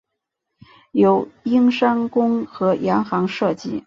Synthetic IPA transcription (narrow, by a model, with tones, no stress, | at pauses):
jo˧˥ʊi˥ŋʂa˥ŋkʊ˥ŋxɤ˧˥jɑ˧˥ŋxɑ˧˥ŋʂɤ˥˧t͡ɕi˥˩